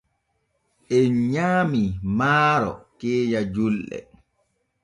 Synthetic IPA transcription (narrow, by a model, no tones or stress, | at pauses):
ʔɛɲaːmimaːɾɔ̰kɛːjad͡ʒulɗɛ̰